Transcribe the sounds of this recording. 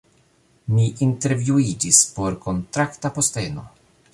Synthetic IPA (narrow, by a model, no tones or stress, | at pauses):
miʔinte̞ɾvjuid͡ʒispo̞ɾko̞ntɾaktapo̞steno̞̰